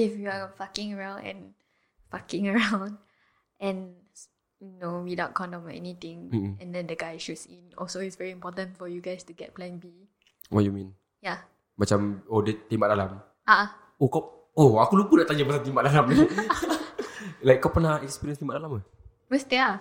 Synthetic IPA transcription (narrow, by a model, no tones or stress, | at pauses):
ifjuafakɪ̃ŋəɹãw̃nɛ̰̃n | fakɪ̃ŋəɹãʊ̃n | ʔɛ̃n | junowidãʊ̃nkʰɔ̃ndɔ̃mɔɛ̰nit̪ĩŋ̩ɛ̃ndɛ̃ndəɡaɪʃutsĩnɔ̰lsoitsvɛɹiĩmpɔtə̃nfɔjuɡaɪstuɡɛt̚plɛ̃nbi | wʔɔ̰t̚jumĩn | ja | mat͡ʃamɔdət̪ĩmbaʔdalam | ʔaʔa | oka | oakulubudaʔt̪aɲamasat̪̬ĩmbaʔdalamɛ | lajkːapənahɛkspiɾiə̃nst̪imbaʔdalamə | wəsta